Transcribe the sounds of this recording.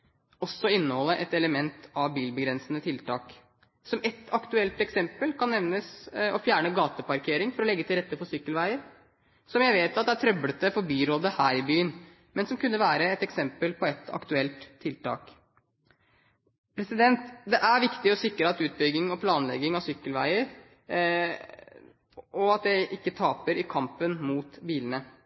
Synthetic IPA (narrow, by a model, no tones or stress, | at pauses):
ɔsːɔɪnːəhɔlːəʔɛt̪ɛləmɛnt̪ʰɑʋbiːlbəɡɾɛnsənət̪ʰɪlt̪ʰɑːk | sɔmɛt̪ʰɑkt̪ʉɛlt̪ɛksɛmpəlkʰɑnːɛʋnəsɔfjæːɳəɡɑːt̪əpɑɾkʰeːɾɪŋfɔɾɔlɛɡːət̪ʰɪlɾɛt̪ːəfɔsʏkːəlʋæɪəɾ | sɔmjæɪʋeːt̪ɑt̪d̪ɛæt̪ʰɾœblət̪əfɔɾbyːɾoːd̪əhæːɾɪbyːən | mɛnsɔmkʉnːəʋæːɾəɛt̪ɛksɛmpəlpʰɔɛt̪ɑ̰kt̪ʉɛlt̪ʰːɪlt̪ɑ̰ːk | pʰɾɛsɪd̪ɛnt̪d̪ɛʔæɾʋɪkt̪ɪɔsɪkːɾəɑt̪ʉːt̪̚bʏɡːɪŋɔpʰlɑːnlɛ̰ɡɪŋɑʋsʏkːəlʋæ̰ɪəɾ | ɔɑt̪̚d̪æɪʔɪkːət̪ʰɑːpəɾɪkʰɑmpənmuːt̪biːlənə